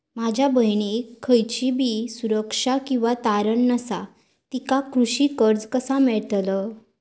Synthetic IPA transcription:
mad͡ʑʱabʱəjɳ̃ikʰəjt͡ɕibʱiːsuɾəkʂakĩw̃ʋat̪aɾəɳːəsa | t̪ikakɾuɕiːkəɾd͡zkəsamɛɭt̪lə

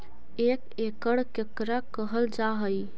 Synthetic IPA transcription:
ek | ekəɽkekɾakəɦəld͡ʒaɦəj

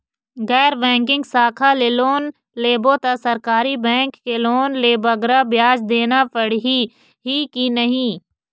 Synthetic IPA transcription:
ɡɛːɾbɛ̃ːŋkɪ̃ŋɡsaːkʰaleːloːn | leːbot̪asɐɾkaːɾibɛ̃ːŋkːeloːnleːbɐɡɾabjaːd͡ʒd̪eːnapəɽɦi | ɦikinɐɦĩː

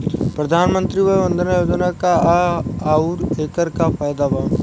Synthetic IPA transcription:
pɾəd̪ʱaːnmə̃nt̪ɾiːʋəʋə̃nd̪ənjoːd͡ʒnaːkaaːaːuɾeːkəɾkaːpʰaːjd̪aːʋaː

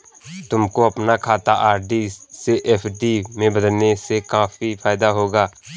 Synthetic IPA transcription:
t̪ʊmkoɐpnakʰaːt̪aʔaːɾɖiseʔɛːpʰɖimẽbɐd̪əlnesekaːfipʰaːɪd̪aɦoːɡaː

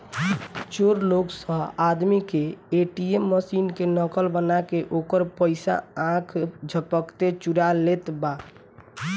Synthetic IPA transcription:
t͡ʃoɾloksə̃ɦad̪mikeeʈiemːəsinkenəkəlbənakeʔokəɾpəɪsa̰ãkʰd͡ʒʱəpəkt̪et͡ʃuɾalet̪ba

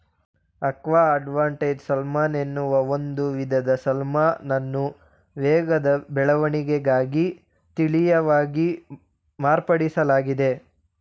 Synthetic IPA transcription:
ɐkʋaːɐɖʋaːɳʈed͡ʒsɐlmaːnenːuʋɐo̞nd̪uʋid̪ʱɐd̪ɐsɐlmaːnɐnːu | ʋɛːɡɐd̪ɐbɛɭɐʋɐɳiɡeɡaːɡi | t̪iɭijɐʋaːɡi | maːɾpɐɽisɐlaːɡid̪e̞

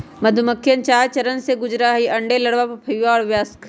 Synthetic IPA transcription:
mɐd̪ʱʊməkʰːjənt͡ʃaːɾt͡ʃɐɾənseɡʊd͡ʒɾaɦiʔɐ̃ɳɖelɐɽʋapɐpʰɐjaɔːɾʋjaːskʰ

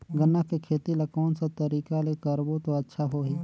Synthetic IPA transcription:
ɡənːakekʰeːt̪ilɐkɔːnsat̪əɾiːkalekəɾbot̪oɐtːʃʰaɦoːɦiː

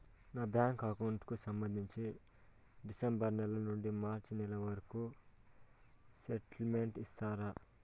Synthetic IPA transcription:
naːbjaːŋkɐkɐwɳʈkusɐmbɐnd̪ʱiɲt͡ʃi | ɖisembɐɾnɛlɐnuɳɖimaːɾt͡ʃinɛlɐʋɐɾɐku | seʈlme̞ɳʈist̪aːɾa

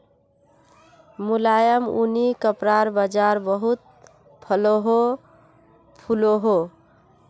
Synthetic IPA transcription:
mulajəmunikəpɾaɾbəd͡ʒaɾbəɦut̪̚ | pʰəloɦo | pʰuloɦo

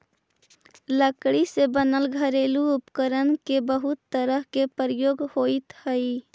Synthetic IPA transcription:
ləkɽisebənəlɡʱəɾeluupkəɾənkebəɦut̪ːəɾəɦkepɾəjoɡhoit̪həi

